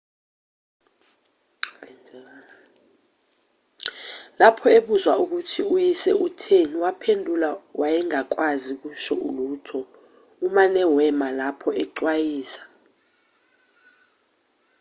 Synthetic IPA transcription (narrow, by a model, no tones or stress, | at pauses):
n | lapʰɔeɓuzwauk̬utʰiujisɛutʰeniwapʰendʱulawajɛŋak̬wazik̬uʃɔʔuluːtʰɔ | umanɛwɛmalapʰɔɛǁwajiːsḁ